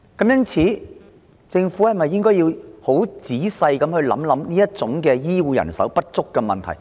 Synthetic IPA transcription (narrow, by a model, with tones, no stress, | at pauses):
kɐ˨˥mjɐ˥nt͡sʰiː˨˥ | t͡sɪ˧ŋfuː˨˥hɐ˨˩jmɐ˨jːɪ˥ŋkɔː˥jiː˧who˨˥wt͡siː˨˥sɐ˧jkɐ˨˥mhɵ˧ɥlɐ˨˥mlɐ˨˥mniː˥jɐ˥t̚t͡sʊ˨˥ŋkɛː˧jiː˥wuː˨˧jɐ̰˨˩nsɐ˨˥wpɐ˥t̚t͡sʊ˥kːɛː˧mɐ̰˨nt̪ʰɐ˨˩j